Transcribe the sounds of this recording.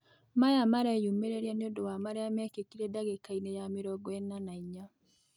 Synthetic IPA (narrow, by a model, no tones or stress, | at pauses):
majamaɾajumeɾeɾianeodowamaɾeamɛkekiɾedaɡekainejamiɾɔɡɔɛnːanaiɲa